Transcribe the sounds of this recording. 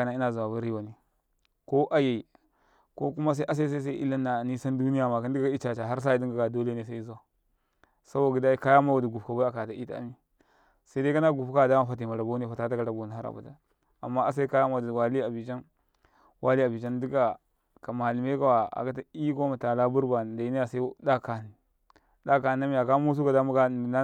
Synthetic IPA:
a˨na˨˦i˦na˨zu˨wa˨ba˦ɾi˦wa˨ni˦ | ko˦ʔa˦je˨i˨ | ko˦ku˦ma˦s̬a˦ʔa˦s̬a˦i˦s̬a˦s̬a˦i˦ḭ˦la˦nːa˨ni˦sa˦ndu˦ni˦ja˨ma˨ka˦ndi˦ɡa˦a˦i˦t͡ʃa˨t͡ʃa˨ɦa˦ɾs̬a˦i˦di˦ŋɡa˨ɡa˨do˦le˦ne˨s̬a˦i˦zu˦wa˨ | sa˦bo˨ɡi˨˦da˦i˦ka˦ja˦ma˦a˨du˨ɡu˨pka˨ba˦a˨ka˨ta˨ʔi˦ta̰˦a̰˦mi˦ | sa˦i˦da˦ka˦na˦ɡu˨pka˦˨da˦ma˦fa˨t̬i˨ma˨ɾa˨bo˦ni˦fa˨ta˦ta˦ka˨ɾa˨bo˨ni˨a˦ɾa̰˨bṵ˨da̰˨ | a˨mːa˦a˦s̬a˦i˦ka˦ja˦ma˦dwa˨li˦a˨bi˨t͡ʃa˦n | wa˦li˦a˨bi˨t͡ʃa˦n˦di˦ka˨ | ka˨ma˨li˨me˦ka˦wa˨a̰˨ka˦ta˦i˦ko˦ma˨ta˨la˦bu˦ɾba˨n˨da˨i˦ni˦ja˨sa˦i˦da˦ka˨n˨ | da˦ka˨˦a˦mi˦a˨ka˦mu˦s̬u˦ka˨da˦mu˦ɡa˦˨na˦

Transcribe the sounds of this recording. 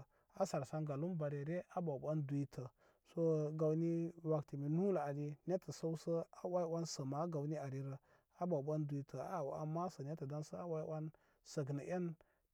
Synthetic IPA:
a˦sa˨ɾsa˦nɡa˨lu˦mba˨ɾe˨ɾe˦ʔa˦ba˨ba˦ndu˨i˦tʰə˨ | so˦ɡa˨wni˦wa˨kti˨mi˨nu˦la˨a˨di˦ne˦tə˨sa˦u˦sə˦a˨wa˦i˦wʷa˦nsə˨ma˨˦ɡa˨wni˦a˨ɾi˦ɾə˨ | a˦ba˨ba˦ndu˨i˦tʰə˨a̰˨˦˨wa̰˨ma˦sə˨ne˦tə˨da˦nsə˦a˦wa˦i˦wa˦n | sə˨ɡ̬nə˨ʔe˦n

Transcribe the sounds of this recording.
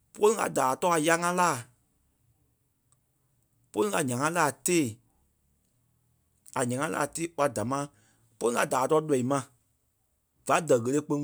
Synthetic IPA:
po˦lĩ˦ɡa̰˧daː˨tɔː˦a˨ja˧˦ŋã˦laː˦˨ | po˦ĩ˦ŋa˧˨ɲã˨ŋã˦laː˦˨teː˦˨ | a˨ɲã˨ŋã˦la̰ː˨teː˦˨wa˧da˨mãː˦ | po˦ĩ˦ŋa˧˨daː˨tɔ˧˦lɛ˨i˨mã˧˨ | va˨˦dɜ˨ɣə˨le˦k͡pə˧˦

